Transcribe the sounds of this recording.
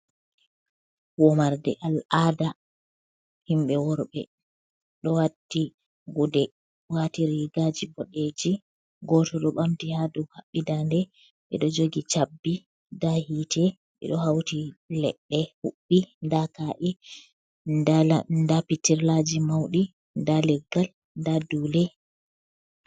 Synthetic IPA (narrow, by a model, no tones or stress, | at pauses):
wɔmaɾdɛ̰ʔalaːda | himɓɛwɔɾɓɛ̰ | ɗɔwatːi | ɡudɛ | watiɾiɡad͡ʒibɔɗed͡ʒi | ɡɔtɔɗɔɓamtihaduhaɓːidandɛ | ɓɛ̰ɗɔd͡ʒoɡit͡ʃabːi | dahitʰɛ | ɓɛ̰ɗɔhawtilɛɗːɛhuɓːindakaʔi | ndapitːiɾlad͡ʒimawɗi | ndalɛɡːal | ndadulɛ